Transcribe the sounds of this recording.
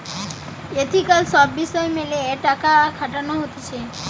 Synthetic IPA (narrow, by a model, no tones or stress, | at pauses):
et̪ʰikalsɔbːisɔjmeleeʈakakʰaʈanoɦot̪it͡ʃʰe